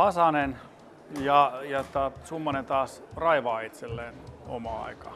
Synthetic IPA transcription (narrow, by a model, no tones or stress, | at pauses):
ɑsɑnen | jɑjɑt̪ɑsumːɑnent̪ɑːsrɑiʋɑːit̪selːeːno̰mɑɑ̰ikɑ